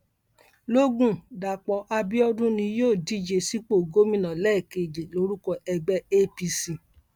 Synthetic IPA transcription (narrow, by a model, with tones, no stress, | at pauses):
lo˦ɡũ˦˨da˨k͡pɔ˧˦ʔa˧bi˦ɔ˧dũ˦nĩ˧joː˦˨di˦d͡ʒe˧si˦k͡po˦˨ɡo˦mĩ˦nã˨lɛ˦˨ke˨d͡ʒe˨lo˧˦ɾu˦kɔ˧ʔɛ˧ɡ͡bɛ˦e˦pi˧si˨